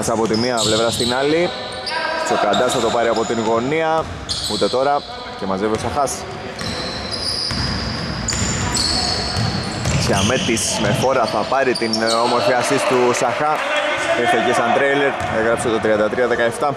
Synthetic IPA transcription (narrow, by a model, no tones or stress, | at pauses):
ɐsɐpo̞t̪immiɐple̞vɾɐst̪inɐli | sokɐnd̪ɐsθɐt̪o̞pɐɾiɐpo̞t̪inɣo̞niɐ | ut̪e̞t̪o̞ɾɐ | ce̞mɐzveviosɐxɐs | seɐmet̪isme̞xo̞ɾɐθɐpɐɾit̪ino̞mo̞ɾfiɐsist̪usɐxɐ | iɾθecesɐnt̪ɾejle̞ɾ | e̞ɣɾɐpse̞t̪o̞t̪ɾiɐnd̪ɐt̪ɾiɐðe̞kɐeft̪ɐ